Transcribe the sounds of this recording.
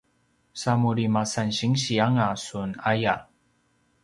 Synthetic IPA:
samuɾimasanɕiŋɕiaŋasunaja

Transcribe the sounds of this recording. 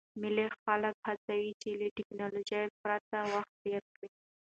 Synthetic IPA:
mɪlexaləkhat͡sawit͡ʃeləʈɪknɑlod͡ʒajpɾat̪awaxt̪̚deɾkɽi

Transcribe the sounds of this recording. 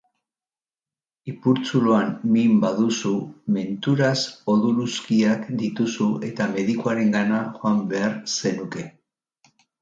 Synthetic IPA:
ipuɾt͡suloammimbaðusume̞nt̪uɾaso̞ðuluskiakd̪it̪usue̞t̪ame̞ðikuaɾe̞ŋɡanaʝoambe̞aɾse̞nuke̞

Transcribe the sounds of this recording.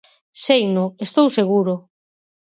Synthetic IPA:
sejnʊest̪owseɣ̞uɾʊ

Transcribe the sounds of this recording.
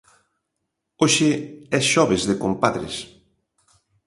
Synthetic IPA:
oʃɪɛsʃɔβezðekompaðɾḛs

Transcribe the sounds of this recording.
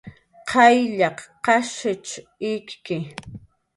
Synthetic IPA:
qʰɑjʎɑqqːɑʃɪt͡ʃ | ɪkkɪ

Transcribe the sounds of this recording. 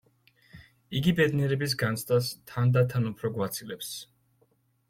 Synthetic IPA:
iɡibɛd̪niɛɾɛbis̬ɡant̪sʰt̪ʼast̪ʰand̪at̪ʰanupʰɾɔɡwat̪sʰilɛps

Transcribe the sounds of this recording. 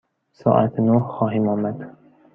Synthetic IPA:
sɒ̰ːʔa̰t̪ʰnohxɒːɦɪmɒmad̪

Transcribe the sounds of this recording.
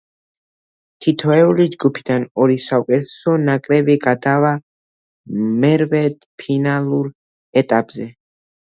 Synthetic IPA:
t̪ʰit̪ʰɔɛulid͡ʒɡupʰid̪anɔɾisaukʼɛt̪ʰɛ̥sɔnakʼɾɛbiɡad̪ava | mɛɾvɛd̪̥pʰinalˠuɾ | ɛt̪ʼapʼzɛ

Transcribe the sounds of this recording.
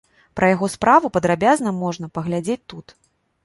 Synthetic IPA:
pɾɐjaɣɔspɾavupɐd̪ɾabʲaznɐmɔʐn̪ɐpɐɣlʲad͡zʲet͡sʲt̪ut̪

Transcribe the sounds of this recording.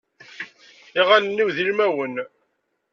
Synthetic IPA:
iʁænənːiwðilmæwən

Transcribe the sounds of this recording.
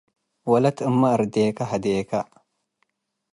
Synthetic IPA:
walatəmːaaɾdekaɦadeka

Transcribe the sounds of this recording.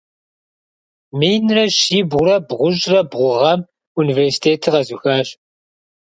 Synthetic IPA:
mijnrɐɕiːbʊɾɐbʁʷʊʒrɐbʁʷʊʁɐm | univeːrsi̥tʰeːtʰiʁɐzuxaːɕ

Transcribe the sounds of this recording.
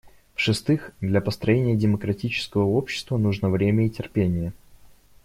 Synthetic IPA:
fʂɨst̪ɨxd̪lʲɐpəst̪ɾɐjenʲɪjədʲɪməkɾɐtʲit͡ɕɪ̥skəvəo̞pɕːɪ̥st̪vənuʐnəvɾʲemʲəitʲɪrpʲenʲɪjə

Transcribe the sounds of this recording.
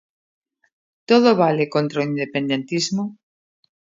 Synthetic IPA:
t̪oðoβalekont̪ɾoind̪epe̞nd̪e̞nt̪izmo

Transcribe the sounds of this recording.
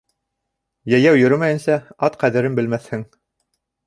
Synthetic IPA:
jæjæwjɵ̆ɾɘmæjɘ̆nsæɑt̪qæðɘ̆ɾɘmbɘ̆lmæθhɘŋ

